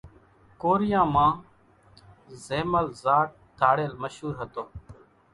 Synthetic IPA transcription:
koːɾɪjãːmãː | zeːməlzaːʈ̚d̪ʰʱaːɽeːlməʃɦuːɾɦət̪oː

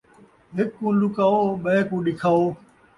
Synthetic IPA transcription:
ɦɪkːũːlukaːoːɓəẽːkũːɗɪkʰaːoː

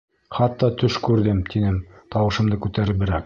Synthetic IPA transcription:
χɑt̪ːɑt̪ʰɵʃkʉɾðɘmt̪ʰinɘmt̪ʰɑwɤ̆ʃɤ̆md̪ɤkʉt̪æɾɘbɘ̆ɾæk

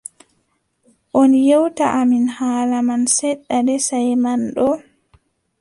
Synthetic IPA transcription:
ʔɔnjɛwtaʔaminhaːlamansɛɗːadɛsajmanɗɔ

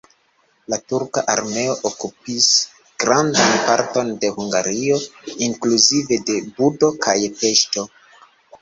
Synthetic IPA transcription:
latuɾkaʔaɾme̞o̞ʔokup̚is | ɡ̥ɾandanpaɾto̞nde̞huŋɡaɾio̞iŋkluzive̞de̞budo̞kʰajpe̞ʃto̞

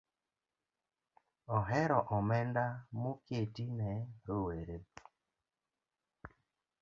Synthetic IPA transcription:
ɔɦɛɾɔʔɔmɛndamoketinɛɾoweɾe

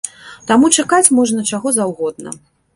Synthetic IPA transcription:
t̪amut͡ʂakat͡sʲmɔʐnɐt͡ʂaɣɔzawɣɔd̪̚nɐ̰

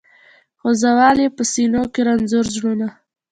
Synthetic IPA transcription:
xozawɑlepəsinokeɾanzʊɾzɽuna

